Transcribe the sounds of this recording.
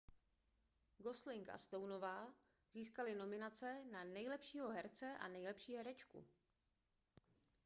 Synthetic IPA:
ɡo̞slɪŋkʔa̰st̪o̞wno̞vaː | ziːskalɪno̞mɪnat͡sɛnanɛjlɛpʃiːɦo̞ɦɛɾt͡sɛʔa̰nɛjlɛpʃiːɦɛɾɛt͡ʃkṵ

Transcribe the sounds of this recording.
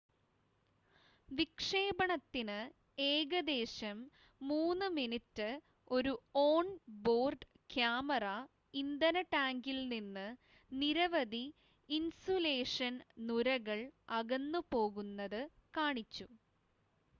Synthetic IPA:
ʋikʂe̞ːbɐɳɐt̪ːinɨ | eːɡɐd̪e̞ːɕɐmː | uːnːɨminitːɨ | o̞ɾuo̞ːɳbo̞ːrɖ | kjaːmɐrɐ | ind̪ɐnɐʈaːŋɡilninːɨ | niɾɐʋɐd̪iː | nsole̞ːʂɐnnuɾɐɣɐɭɐɣɐnːupo̞ːɣunːɐðɨ | kaːɳit͡ɕːu

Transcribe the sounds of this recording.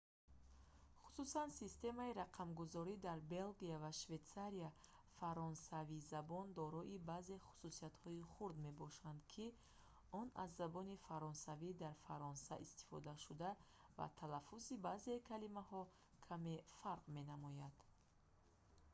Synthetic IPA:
χu̥susansist̪e̞maiɾaqʰamɡuzɔɾid̪aɾbe̞lɡiavaʃve̞t̪saɾia | faɾɔnsavizabɔnd̪ɔɾɔʔibaze̞χu̥susiat̪hɔiχuɾd̪me̞bɔʃand̪kʰi | ɔna̰zːabɔnifaɾɔnsavid̪aɾfaɾɔnsa̰ʔist̪i̥fɔ̰d̪aʃud̪a | va̰t̪ʰalafusibaze̞kʰalimahɔ | kʰame̞faɾqme̞namɔjad̪̥

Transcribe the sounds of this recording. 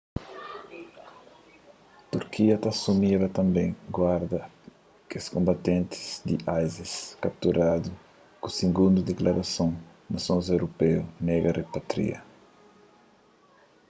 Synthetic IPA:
t̪uɾkʰiɐt̪asumiɾɐt̪ɐ̃mbẽj̃ɡwaɾd̪ɐ | keskõmbat̪ẽnt̪ɪ̥z̥d̪iʔajziskap̚t̪uɾad̪u | kusiɡũnd̪ud̪eklaɾasõ | nɐsõzewɾopɛuneɡɐrepat̪ɾḭɐ̰

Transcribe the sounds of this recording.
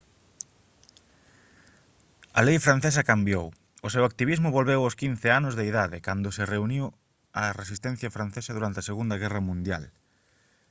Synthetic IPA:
ɐlejfɾanθesɐkambjow | ʊsewak̚t̪iβizmʊβolβewʊskin̟θɪanʊzðeiðaðɪkand̪ʊsɪreuniw | ɐresist̪ɛ̃n̟θjɐfɾãn̟θesɐðuɾant̪eaɐseɣund̪ɐɣ̞ɛrɐmũnd̪ja̰l

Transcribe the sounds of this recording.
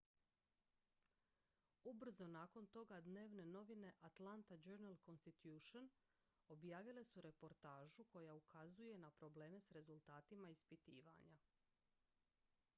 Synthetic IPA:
ubr̩zo̞naːko̞nt̪o̞ɡad̪ne̞ːʋne̞no̞ʋine̞ʔat̪lant̪ad͡ʒøɾnalˠko̞nst̪it̪juːʃon | o̞bjaːʋile̞suɾe̞po̞ɾt̪aːʒuko̞jaukʰazuje̞napɾo̞ble̞ːme̞sɾe̞zulˠt̪aːt̪imaispit̪iːʋa̰ɲa

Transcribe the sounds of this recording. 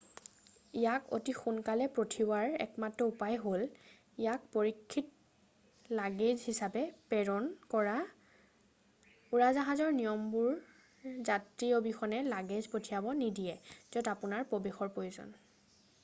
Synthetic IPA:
ijako̰tixunkalɛpɹotʰiwaɹɛ̰kmatɹɔupajɦol | ijak̚poɹikʰːit̚ | laɡezɦisapɛpɛɹɔnkɔɹa | uɹazaɦazɔɹnijɔmbuɹ | zatɹiɔbixɔnɛlaɡezpotʰijabɔnidijɛz̥ɔtapunaɹpobexɔɹpojuzɔ̰n

